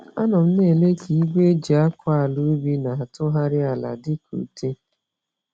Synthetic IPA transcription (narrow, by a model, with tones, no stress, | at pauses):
a˦nʊ˨m̩˦ne˦˨le˦ki˨i˦ɡʷe˦d͡ʒi˨a˦kʷa˦a˨lu˦bi˦na˨a˨tʊ˦ɦa˦ɾɪ˦a˨la̰˨dɪ˦kʰṵ˨te˦